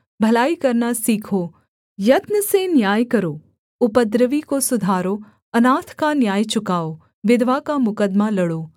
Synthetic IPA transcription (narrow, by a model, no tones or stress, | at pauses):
bʱəlaːikəɾnasiːkʰo | jət̪nəsenjaːjkəɾo | ʊpəd̪ɾəʋikosʊd̪ʱaːɾo | ənaːt̪ʰkanjaːjt͡ʃʊkao | ʋɪd̪ʱʋakamʊkəd̪maləɽo